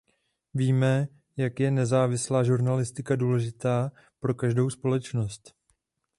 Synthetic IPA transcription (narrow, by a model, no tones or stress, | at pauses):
viːmɛ | jakjɛnɛzaːvɪslaːʒuɾnalɪst̪ɪkaduːlɛʒɪt̪aː | pɾo̞kaʒdo̞wspo̞lɛt͡ʃno̞st̪